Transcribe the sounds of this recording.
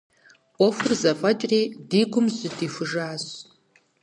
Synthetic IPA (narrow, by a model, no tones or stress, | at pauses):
ɔfɨrzɐfʼɐtʼriːdiːɡʷʊmzɨdiːfʊʐaːz